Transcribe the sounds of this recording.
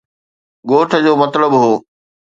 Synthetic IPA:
ɡoːʈʰə̆d͡ʑoːmɐt̪ləbɦoː

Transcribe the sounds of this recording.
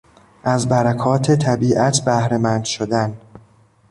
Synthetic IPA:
ʔæzbæɾækʰɒːt̪ʰe̞t̪ʰæbiːʔæt̪ʰbæhɾemænd̪̥ʃod̪æn

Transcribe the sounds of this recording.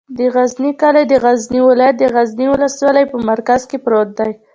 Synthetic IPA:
d̪əɣaznikaled̪əɣazniwɪlɑjat̪̚d̪əɣazniwʊlaswalajpəmaɾkazkepɾot̪̚d̪aj

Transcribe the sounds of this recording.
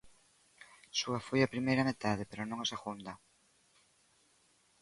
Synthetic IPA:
suafojapɾimejɾɐmet̪aðepeɾonõŋaseɣund̪ɐ

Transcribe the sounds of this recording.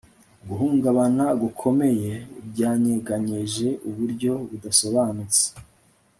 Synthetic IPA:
ɡuɦuːŋɡaβanaɡukʰo̞me̞je̞bɟaːɲeɡaɲeʒe̞ʔuβuɾɟo̞βudaso̞βaːnut͡se̥

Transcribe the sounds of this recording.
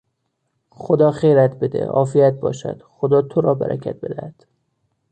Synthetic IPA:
χod̪ɒːχejɾæt̪be̞d̪ḛʔɒ̰ːfijæt̪̚bɒ̰ːʃæ̰d̪̥χod̪ɒːt̪ʰoɾɒːbæ̰ɾæ̰cʰæ̰t̪̚be̞d̪æhæd̪̥

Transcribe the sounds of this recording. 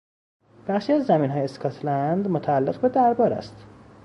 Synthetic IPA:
b̥æχʃiæzːæmiːnɦɒːjeskʰɒt̪ʰlænd̪mot̪ʰæːlːe̞ɣbed̪æɾbɒːɾæ̰st̪

